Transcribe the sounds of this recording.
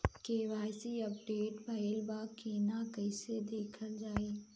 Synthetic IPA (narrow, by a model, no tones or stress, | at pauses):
keːʋaːjsiɐpɖeːʈbʱɐəlbaːkiːnakɐɪsed̪eːkʰəld͡ʒaːiː